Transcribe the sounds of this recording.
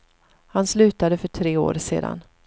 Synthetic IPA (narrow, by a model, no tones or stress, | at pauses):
hanslʉ̟ːt̪ad̪əfœʈʰɾeːo̰ːɾsḛːd̪a̰n